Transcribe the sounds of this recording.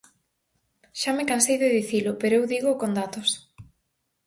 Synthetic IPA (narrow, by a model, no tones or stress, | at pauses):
ʃamekansejðeðiθilʊpeɾoewðiɣʊkond̪at̪ʊs